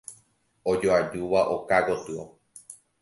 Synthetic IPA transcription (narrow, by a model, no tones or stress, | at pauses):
od͡ʒoad͡ʒuʋaʔokaɡot̪ɨo̰